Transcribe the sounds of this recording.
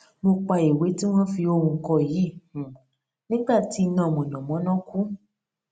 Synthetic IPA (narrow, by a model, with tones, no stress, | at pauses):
mo˧k͡pa˧i˨we˨˦ti˦w̃ɔ̃˦fi˧o˧ɾũ˧kɔ˧˨jĩ˨˦˨ | nĩ˦ɡ͡ba˦˨ti˨˦˧nã˦˨mɔ̃˨nã˨mɔ̃˨˦nã˦kũ˦